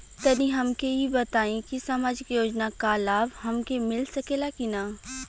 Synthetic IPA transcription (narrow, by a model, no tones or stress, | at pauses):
t̪ɐnĩɦɐmkeibɐt̪aːĩkisamaːd͡ʒɪkjoːd͡ʒnakalaːbhɐmkemɪlsɐkeːlakinaː